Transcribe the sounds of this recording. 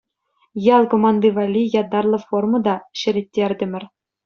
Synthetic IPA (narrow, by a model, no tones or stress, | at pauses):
jɑlˠkomɑnd̪ɯvɑlʲːijɑd̪ɑrlˠɤ̆formɤ̆d̪ɑɕɘ̆ɾʲĕtʲːerʲdʲɘ̆mʲɘ̆rʲ